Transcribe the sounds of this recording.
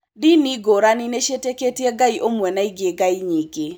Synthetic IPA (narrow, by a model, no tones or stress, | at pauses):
diniɡoɾanineʃeteketjeɡaiʔomwɛnaiɡeɡaiɲiɡe